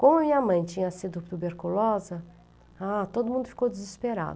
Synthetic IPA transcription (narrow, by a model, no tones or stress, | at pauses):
kʷõmʊɐmɐĩɲɐmɐ̃j̃t͡ʃĩɲɐsid̪ʊt̪ubeɾkulɔzɐ | at̪od̪ʊmũnd̪ʊfi̥kowd͡ʒɪzispeɾa̰d̪ʊ